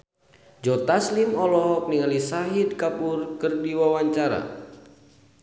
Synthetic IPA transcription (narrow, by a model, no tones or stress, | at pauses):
d͡ʒɔt̪aslimɔlɔɦɔk̚niŋalisaɦid̪̚kapurkərdiwawaɲt͡ʃaɾa̰